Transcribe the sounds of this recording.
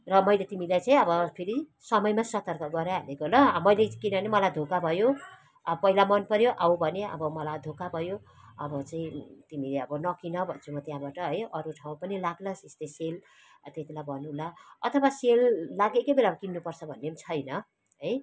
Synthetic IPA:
rʌmʌjlet̪imilajt͡saĩʌbʌpʰeɾi | sʌmʌjmasʌt̪ʌrkʌɡʌɾjaɦalekolʌmʌjlekinʌnemʌlajd̪ʱokabʱʌjo | ʌʌpʌilamʌnpʌɾjoʔawbʱʌneʌ̰bʌmʌlajd̪ʱokabʱʌjo | ʌbʌt͡saĩt̪imileʌbʌnʌkinʌbʱʌnt͡sʰumʌt̪jãbaʈʌɦʌjʌɾuʈʰaw̃pʌnilaɡlʌsest̪esel | t̪et̪ʰilajbʱʌnulaʌt̪ʰʌwaselːaɡekebelamʌkinːupʌrt͡sʰʌbʱʌnːemt͡sʰʌjnʌ | ɦʌj

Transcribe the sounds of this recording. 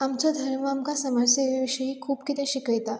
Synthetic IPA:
amt͡sɔd̪ʱəɾməamkasəmaɾseʋiʋiʂəɦiːkʰuːpkit̪ẽɕikəjt̪a

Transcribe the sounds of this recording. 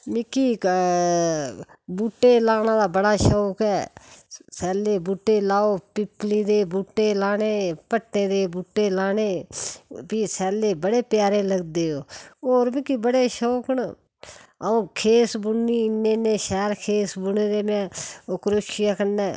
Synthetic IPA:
mɪkiː | buːʈːeːlaːnãːd̪aːbəɽaːʃoːkɛː | sɛːleːbuːʈːeːlaːoːpɪplĩːd̪eːbuːʈːeːlaːneːpəʈːẽːd̪eːbuːʈːeːlaːneː | biːsɛːleːbəɽeːpjaːɾeːləɡd̪eːɦoːoːɾmɪkiːbəɽeːʃoːkəɳ | əõːkʰeːsbʊniːnːeːneːʃɛːɾkʰeːsbʊneːd̪eːmɛ̃ːokɾoːt͡ʃɪjaːkənːɛː

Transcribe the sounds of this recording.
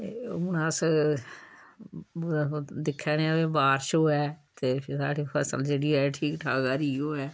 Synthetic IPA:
ʊnaːs | d̪ɪkʰːɛːneaʋẽːbaːɾʃoːɦɛːt̪eːpʰɪɾsaːɽiːpʰəsə̰ld͡ʒeːɽiːɛːʈʰiːkʈʰaːɡaːɾiːoːɛː

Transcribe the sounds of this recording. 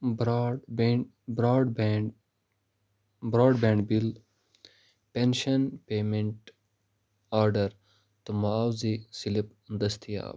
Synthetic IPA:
bɾɖbe | bɾaːɖb | bɾɔːɖbeːɳɖbil | penʃɐnpeːmeɳʈ | aːɾɖɐɾ | t̪umaːwzisilip | nd̪ɐst̪ʰija̰ːb

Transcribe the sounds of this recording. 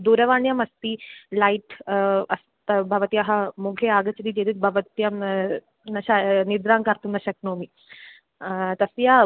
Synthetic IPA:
d̪uɾɐʋaɳjɐmɐst̪ilaiʈɐst̪ɐbʱɐʋət̪ijɐɦamuɡʰʱeaːɡɐt͡ʃd̪iːt̪ed̪it̪̚bʱɐʋət̪jɐm | nɐɕanid̪ɾaŋkaɾt̪umnɐɕɐk̚nomi | t̪ɐsja

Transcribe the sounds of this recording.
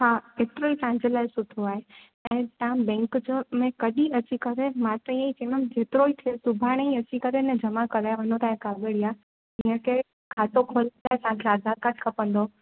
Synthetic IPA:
haːɦeːt̪ɪɾoisãɦɪ̃ɲd͡ʑelaːɪsʊd̪ʱoaːɦe | ɛ̃ːt̪ãbɛ̃ːŋkd͡ʑmẽkɐɗĩɐt͡ɕikɐɾemãːt̪ɐ̃ĩãit͡ɕenəmd͡ʑʱeːt̪ɪɾoit̪ʰiosʊbʱaːɽ̃eĩɐt͡ɕikɐɾenɛ̃d͡ʑɐmakɐɾaːeʋɐnot̪aːɦẽkaɡəɽiaː | iːə̃kʰe | kʰaːt̪okʰoːlt̪aːɦesãkʰeaːd̪aɾ̚kəʈʰkʰɐpə̃nd̪o

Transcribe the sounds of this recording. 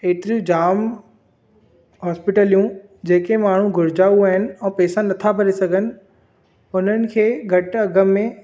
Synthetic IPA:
eːt̪ɪɾijũd͡ʑaːm | ɦɔːspɪʈəlijũ | d͡ʑeːkemaːɳ̤ũɡʱʊɾɪd͡ʑaːuaːɦɪnɪ̆ɛ̃ːpɛːsanɐt̪ʰabʱɐɾesɐɡʱənɪ̆ | ʊn̤ənɪ̆kʰeːɡʱɐʈɐɡəmːẽ

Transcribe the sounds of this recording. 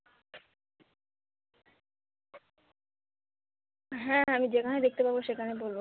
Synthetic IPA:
ɦɛ̃amid͡ʑekʰaned̪ek̚t̪epaboʃekʰanebolbo

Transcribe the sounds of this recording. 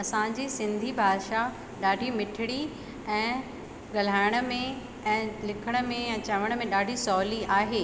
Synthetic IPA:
ɐsãd͡ʑiːsɪ̃nd̪ʱibʱaːʃa | ɗaːɖʱimɪʈʰɪɽ̃i | ɛ̃ː | ɠɐl̤aːɪɽ̃ə̆mẽ | ɛ̃ːlɪkʰəɽ̃ə̆mẽɛ̃ːt͡ɕɐʋəɽ̃ə̆mẽɗaːɖʱisɔːliaːɦeː

